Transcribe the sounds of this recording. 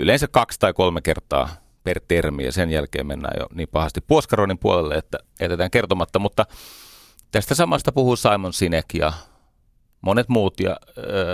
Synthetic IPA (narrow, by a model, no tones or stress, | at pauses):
yleinsækkɑkst̪ɑikolmekert̪ɑ̰ː | pert̪ermiæ̰senjælkḛːmmenːæ̰ːjo̰niːmpɑhɑst̪ippuoskɑronimpuolelːeet̪ːæjææt̪et̪æːŋkert̪omɑt̪ːɑmut̪ːɑ | t̪æst̪æsɑmɑst̪ɑpuhusɑimonsinekjɑ̰ | mʔonet̪muːt̪jɑ̰øː